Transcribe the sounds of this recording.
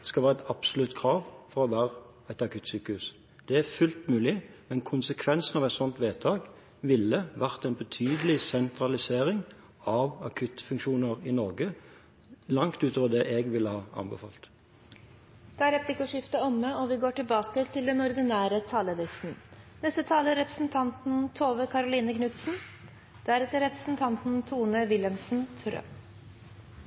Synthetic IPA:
skɑʋæːʁɛt̪ɑb̥sʊlʉt̪kʰɾɑːʋfɔɾɔʋæːʁə | ɛt̪ɑkʉt̪ːsyːkəhʉːs | d̪̥ɛæfʉlt̪mʉːlɪmɛnkʰʊnsəkʰʋɛnsn̩ɑʋɛɪt̪sɔnt̪ʋeːt̪ʰɑːɡ | ʋɪlːəʋæʁt̪æɛɪnbət̪ʰyːd̪əlɪsɛnt̪ɾɑlɪseːɾɪŋ | ɑʋɑkʰʉt̪fʉŋkʃuːnəʁɪnɔʁɡə | lɑŋt̪ʉːt̪oːʋəd̪ɛʔɛɡʋɪlːəhɑːɑ̰nbəfɑ̰ːlt̪ | d̪̥ɛæɾɛplɪkʊʂɪft̪əɔmːəɔʋɪɡoːʈɪlbɑːkət̪ʰɪld̪ɛnɔɾd̪ɪnæːɾət̪ʰɑːləlɪsn̩nɛst̪ət̪ʰɑːləɾɛpɾəsn̩t̪ʰɑnt̪n̩t̪ʰoːʋəkʰɑɾʊliːnəknʉt̪sn̩ | d̪̥æɾɛt̪əɾɛpɾə̥sn̩t̪ʰɑnt̪n̩t̪ʰuːnəʋɪləmsn̩t̪ʰɾø̰

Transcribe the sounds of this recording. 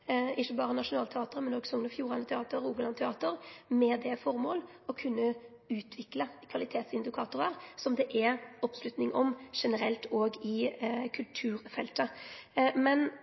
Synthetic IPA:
ɪçːəbɑːɾənɑʂʊnɑːlt̪ʰɛɑːt̪əɾmɛnoːɡsɔŋnəfjuːɾɑnət̪ʰɛɑːt̪əɾuːɡəlɑnət̪ʰɛɑːt̪əɾmɛd̪ɛfɔɾmoːl | ɔkʰʉnːə | ʉːt̪ʰʋɪkləkʰʋɑlɪt̪ʰeːt̪sɪnd̪ɪkʰɑːt̪ʊɾəɾsɔmd̪ɛʔɛɾɔpslʉt̪nɪŋʔɔmʂɛnəɾɛlt̪ʰoːɡɪkʰʉlt̪ʰʉːɾfɛ̰lt̪ə | mɛn

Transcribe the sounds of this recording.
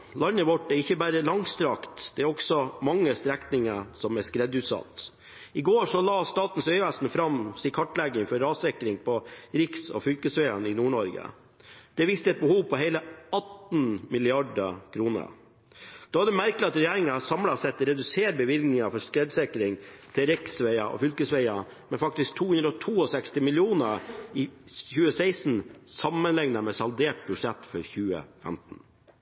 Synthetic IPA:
lɑnːəʋɔʈːæɾɪçːəbæːɾəlɑŋst̪ɾɑkt̪d̪̥ɛːɾɔksɔmɑŋːəst̪ɾɛkt̪nɪŋəsɔmɛskɾɛd̪ʉːt̪sɑ̰t̪ː | ɪɡoːʂɔlɑːst̪ɑːt̪n̩sœʏʋæsnfɾɑmsiːkʰɔʈːlɛɡːəŋfɔɾɑːsɛkɾɪŋpʰɔɾɪksɔ̰fʏlkəsʋeːə̰nɪnuːɳɔɾɡə̰ | d̪̥ɛʋɪst̪əɛt̪̚bəhuːʋpʰɔɦɛɪləɑt̪n̩mɪlɪɑɖə̰kʰɾuːnə̰ | d̪̥oːhɑd̪ɛmæɾkəlɪɑt̪ɾɛjæːɾɪŋɑsɑmlɑsɛt̪ːɾɛd̪ʉseːɾbəʋɪlɡnɪŋɑfɔʂkɾɛd̪sɛkɾɪŋt̪ʰɪlɾɪksʋæɪɑʔɔ̰fʏlkəsʋæɪɑ | mɛfɑk̚t̪ɪsk̚t̪ʰuːhʉnd̪ɾəɔt̪ʰuːɔsɛkst̪ɪmɪlɪuːnəɾɪçʉːəsæɪsn̩sɑmːənlɛŋnəmɛsɑld̪eːʈ̚bʉʂɛt̪ːfɔɾçʉːə̰fɛ̰mt̪n̩

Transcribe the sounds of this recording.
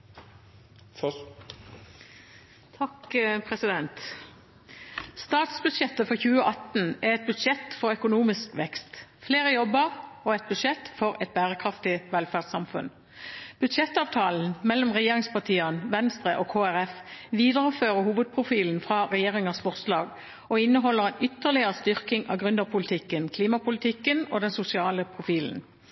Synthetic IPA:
t̪ʰɑkpʰʁɛsɪd̪ɛnt̪ | st̪ɑːt̪sbʉd̪ʃɛt̪ːəfɔʁçʉːəʔɑt̪n̩æʁɛt̪̚bʉd̪ʃɛt̪fɔʁœkʊnuːmɪskʋɛkst̪fleːʁəjɔbəʁɔɛt̪̚bʉd̪ʃɛt̪fɔʁɛt̪̚bæːʁəkʰʁɑft̪ɪʋɛlfæʁd̪sɑmfʉ̰n | b̥ʉd̪ʃɛt̪ːɑːʋt̪ʰɑːln̩mɛlːɔmʁɛjeːʁɪŋspɑt̪ʰiːənʋɛnst̪ʁəʔɔkʰoːæʁɛfʋiːd̪əʁəføːʁəhuːʋəd̪̚pʰʁʊfiːln̩fʁɑʁɛjeːʁɪŋəsfɔʁslɑːɡ | ɔɪnːəɦɔlːəʁɛnʏt̪ːəʁlɪəʁəst̪ʏʁkɪŋɑ̰ɡʁʉnd̪əʁpʰʊlɪt̪ʰɪkːənkʰliːmɑpʊlɪt̪ʰɪkːənoːd̪ɛnsʊsɪɑːləpʰʁʊfiːln̩

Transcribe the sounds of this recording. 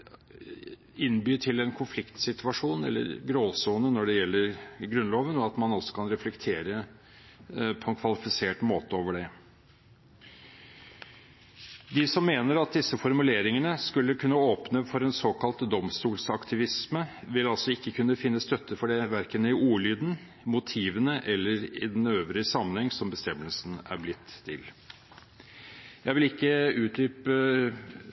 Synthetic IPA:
ɪnbyːʈ̪ʰɪlɛnkʰʊnflɪkt̪sɪt̪ʉʋɑʂuːnɛ̰lːə̰ɾɡɾoːsuːnənɔɖɛjɛlːəɾɡɾʉnloːʋənɔɑt̪mɑnɔsɔ̥kʰɑnɾɛflɛkt̪ʰeːɾə | pʰɔɛnkʰʋɑlɪfɪseːʈmoːt̪əoːʋəɖɛ | d̪ɪsɔmːeːnəɾɑt̪̚d̪ɪsːəfɔɾmʉleːɾɪŋənəskʉlːəkʰʉnːəoːpnəfɔɾɛnsoːkɑlt̪d̪ɔmst̪uːlsɑkt̪ʰɪʋɪsmə | ʋɪlɑlsɔɪkːəkʰʉnːəfɪnːəst̪œt̪ʰːəfɔɖɛʋæɾkənəɪuːɭyːd̪n̩ | mʊt̪ʰiːʋənəʔɛlːəɾɪ̰d̪ɛnøːʋɾɪsɑmənhɛŋsɔmbəst̪ɛmːəlsn̩æ̰ɾblɪt̪ːʰɪ̰l | jæɪʋɪlɪkːəʉːt̪̚ɾyːpə

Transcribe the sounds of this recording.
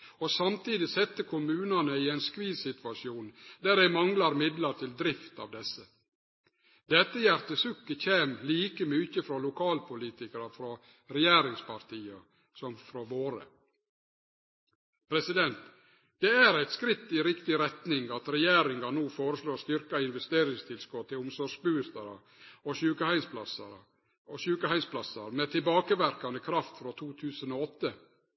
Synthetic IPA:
ɔsɑmt̪iːd̪ɪsɛt̪ːəkʰʊmʉːnɑnəɪɛɪnskʋiːsɪt̪ʋɑʃɪuːnd̪æːɾæɪmɑŋlɑɾmɪd̪lɑɾt̪ʰɪld̪ɾɪft̪ɑ̰ːʋd̪ɛsːə | d̪ɛt̪ːəjæɾt̪əsʉkːəçeːmliːkəmyːçəfɾɔlʊkʰɑːlpʊliːt̪ɪkəɾɑfɾɔ | ɾɛjeːɾɪŋspʰɑɾt̪iːɑ | sɔmfɾɔʋoːɾə̰ | pʰɾɛsɪd̪ɛnt̪ | d̪̥ɛæɾæɪt̪skɾɪt̪ːɪɾɪkt̪ɪɾɛt̪nɪŋɑt̪ɾɛjeːɾɪŋɑnuːfoːɾəsloːst̪ʏɾkɑɪnʋɛst̪eːɾɪŋst̪ʰɪlskɔt̪t̪ːɪlʊmsɔʂbʉːst̪ɑɾə | ɔʃʉːkəhæɪnspʰlɑsɑ̰ɾə̰ | ɔʃʉːkəhæɪnspʰlɑsɑɾmet̪ʰɪlbɑːkəʋæɾkɑnəkʰɾɑft̪fɾɔt̪ʰuːt̪ʰʉːsənoːɔt̪ːə

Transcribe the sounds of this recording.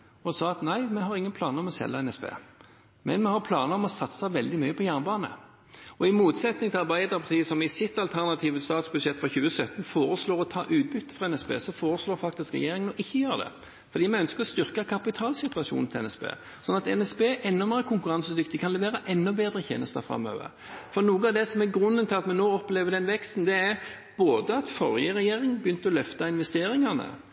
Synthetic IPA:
ɔsɑːɑt̪næɪmɛɦɑɾɪŋːənpʰlɑːnəɾɔmɔsɛ̰lːəɛnɛspḛː | mɛ̰nmɛhɑʁpʰlɑːnəɾɔmɔsɑt̪sɑʋɛld̪ɪmyʏəpʰɔjæːʁnbɑːnə̰ | ɔɪmuːt̪sɛt̪nɪŋt̪ʰɪlɑʁbæɪd̪əɾpʰɑʁt̪ʰiːəsɔmɪsɪt̪ːɑlt̪ʰæʁnɑt̪ʰiːʋəst̪ɑːt̪sbʉd̪ʂɛt̪ːfʁɑçʉːəsœt̪ːn̩foːɾəsloːɾɔt̪ʰɑ̰ːʔʉːt̪̚bʏt̪ːə̥fʁɑɛnɛspḛːsɔfoːɾəsloːfɑk̚t̪ɪskɾɛ̰jeːɾɪŋənɔʔɪçːəjøːʁəd̪ɛ̰ | fɔɾd̪iːmɛnœnskəɾɔst̪ʏʁkɑkʰɑpɪt̪ʰɑːlsɪt̪ʉɑʂṵːnnʰɪlɛnɛspḛː | sɔnɑt̪ɛnɛsbeːʔɛnːɔmeːəkʰʊŋkʉɾɑnsəd̪ʏkt̪ɪkʰɑnlɛʋeːɾəʔɛnːɔbeːd̪ɾəçʰḛːnəst̪əfɾɑ̰mːø̰ːʋə̰ɾ | fɔɾnuːɡəɑːʋd̪ɛsɔmɛɡɾʉnːənt̪ɪlɑt̪mɛnːoːɔpleːʋəd̪ɛnʋɛkst̪n̩d̪ɛæɾ | b̥oːd̪əɑt̪fɔɾjəɾɛjeːɾɪŋnbjʏnt̪əɔlœft̪ɑɪnʋɛst̪eːɾɪŋɑnə̰

